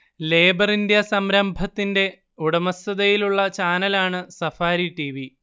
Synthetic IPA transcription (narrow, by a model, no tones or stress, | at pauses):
le̞ːbɐrindjɐsɐmɾɐmbʱɐt̪ːinde̞ | uɽɐmɐsɐðɐjiluɭːɐt͡ɕaːnɐlaːɳɨsɐfaːɾiʈiːʋi